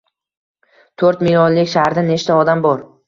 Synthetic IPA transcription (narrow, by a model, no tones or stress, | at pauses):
t̪ʰɵɾt̪milɒnlɪkʲʃahɾd̪ane̞t͡ʃt̪ʰaɒd̪ambɒɾ